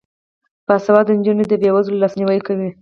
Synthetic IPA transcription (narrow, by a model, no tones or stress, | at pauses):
pasawɑd̪ənd͡ʒuned̪əbewazlolɑsniwəjkawi